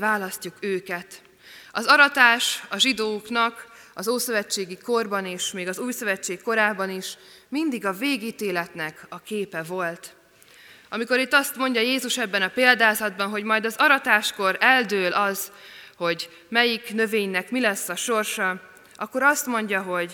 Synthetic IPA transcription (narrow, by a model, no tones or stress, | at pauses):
vaːlɒscukøːkɛt̪ | ɒzɒɾɒt̪aːʃɒʒid̪oːknɒk | ɒzoːsøvɛt͡ʃːeːɡiko̞rbɒneːʃmeːɡɒzuːjsø̞vɛt͡ʃːeːkːo̞ɾaːbɒniʃmind̪iɡɒveːɡiːt̪eːlɛt̪nɛkɒkeːpɛvo̞lt̪ | ɒmiko̞ɾit̪ːɒst̪mo̞ɲɟɒjeːzuʃɛbːɛnɒpeːld̪aːzɒd̪bɒnɦo̞ɟmɒjd̪ɒzɒɾɒt̪aːʃko̞ɾɛld̪øːlʔɒz̥ho̞ɟ | mɛjiknø̞veːɲnɛkmilɛsːɒʃo̞rʃɒ | ʔɒkːo̞ɾɒst̪mo̞ɲɟɒɦo̞ɟ